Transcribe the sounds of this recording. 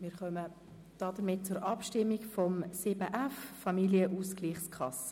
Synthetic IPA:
mɪːɾχœmə | d̥ɑːdəɾmɪt̚t͡sʊɾʔɑpʃtɪmːikfɔmsɪbəʔæffɑmiljəʔuskliːχskʰɑsə̥

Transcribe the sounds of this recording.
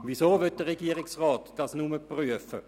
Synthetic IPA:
visoːvøt̚d̥əʁeɡiːəʁɪksʁɑːtd̥ɑsnuməpʁyəfə

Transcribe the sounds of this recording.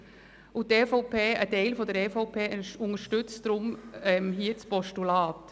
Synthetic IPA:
ʔut̪ɛːfɔpʰeːətɛɪlfɔdəɾɛfoʊpʰeːʊŋəɾʃtʏt͡stɾʊmɛmɦiːət͡spɔʃtulɑːt

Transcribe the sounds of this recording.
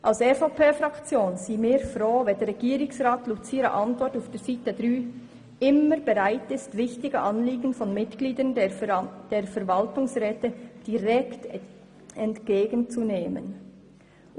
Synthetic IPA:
ʔaʊsɛfopeːfʁɑkt͡sjoːnsiːmɪːfɾoːvɛndɛɾʁɛɡ̥iːɾɪŋsʁaːtlut͡siːɾa̰ʔɑntvɔtaʊfd̥iːz̥iːtədɾyː | ɪməɾbɛʁaɪtɪstvɪçtɪɡəʔɑnliːɡən̩fɔnmɪtɡ̥liːdən | d̥eːfɛɐvɑltʊŋsʁɛːtəd̥iʁɛkt | ɛntɡ̥eːɡənt͡suneːmə̰n

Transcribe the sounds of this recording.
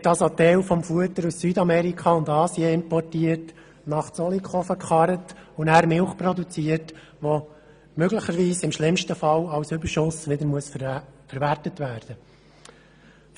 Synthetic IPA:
tːɑlsot̪ɛwfɔmfuətəɾussyːdɑmɛɾikχɑʊndɑːsjeɪmpɔrtiːərt | nɑχt͡sɔlikʰχɔfəkχɑɾətʊnæːɾmɪlχprɔd̪ut͡siːət | ʋo | møɡləχəɾʋiːsɪmʃlɪmʃtəfɑlɑwsʏbəɾʃʊsʋɪdəɾmuəsfəɾʋærtətʋæːɾd̥ə

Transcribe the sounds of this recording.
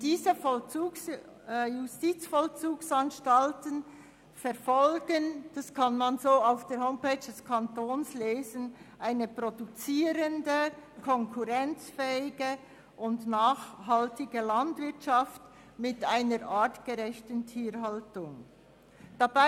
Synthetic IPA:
d̥iːzəfɔt͡suks | justit͡sfɔlt͡suːksanʃtaltən | fɛɐɾfɔlɡ̥ənd̥askʰɑnmanzoːaʊfd̥eːɾɦoʊmpeːd͡ʒd̥ɛskʰɑntoːnsleːzənʔaɪnəpʁodut͡siːɾəndəkʰɔŋkʰuʁɛnt͡sfɛːɪɡə | ʔʊndnaːxhɑltɪɡəlɑndvɪɐtʃɑft | mɪtaɪnəɾʔaːtɡ̥əʁɛçtən̩tʰiːɾhɑltʊŋ | d̥aba

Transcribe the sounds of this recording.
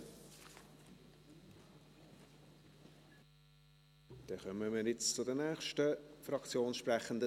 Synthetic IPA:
d̥ɛχœməmɪːɾjɪt͡st͡sʊdənæːχʃtəfɾɑkt͡sjoːnʃpɾæχənd̪ə

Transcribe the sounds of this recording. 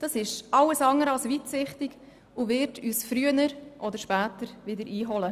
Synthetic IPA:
d̥ɑsɪʃʔɑlːəsɑŋəɾɑlsʋiːtsɪχtɪɡ | uvɪɾtʰyːsfɾyənəɾʔɔd̪əɾʃpæːtəɾvɪdəɾʔiːɦɔlə

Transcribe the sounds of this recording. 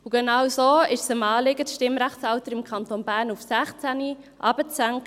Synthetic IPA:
uɡ̥ɛnɑwsoːɪʃsəmɑːlɪɡətʃtɪmɾæχt͡sɑʊtəɾɪmkʰɑntonbæːɾnufsæχt͡sæni | ʔɑːb̥ət͡sæŋk

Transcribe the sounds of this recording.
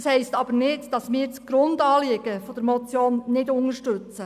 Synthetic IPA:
shɛɪstɑb̥əɾnɪdd̥ɑsmɪːɾt͡sɡ̥ɾʊndɑːliːɡ̥əfɔd̥əɾmɔt͡sjoːnnɪdʊŋəʃtøt͡sə

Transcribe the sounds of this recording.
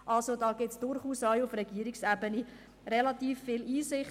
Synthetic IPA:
ʔɑlsodɑːɡɪtsd̥ʊɾχuːsajʊfɾɛɡ̥iəɾɪksæbəni | rɛlɑtiːfːɪliːsɪχ

